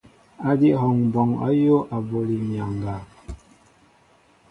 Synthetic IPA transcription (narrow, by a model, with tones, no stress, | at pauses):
a˦di˦ɦɔ˨ŋbɔ˨ŋa̰˦jo˦ʔa˨bo˨li˨mja˨ŋ˨ɡa˨